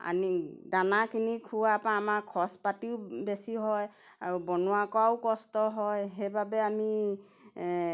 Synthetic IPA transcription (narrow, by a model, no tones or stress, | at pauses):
a̰nidanakʰinikʰuwapãːmakʰɔspatiʊbesiɦɔj | aɹubɔnuwakɔaʊkɔstɔɦɔjɦejbʱabɛami